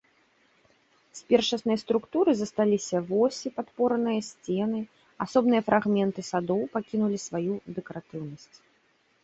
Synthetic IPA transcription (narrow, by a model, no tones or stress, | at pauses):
sʲpʲɛrʂɐsnɐjst̪ɾukt̪uɾɨzɐst̪alʲisʲɐvɔsʲipat̪pɔɾɐnɨjɐsʲt͡sʲɛn̪ɨ | asɔbnɨjɐfɾʔaɣmʲɛnt̪ɨsad̪ɔwpakʲinulʲisvajud̪ɛkɐɾat̪ɨwnɐsʲt͡sʲ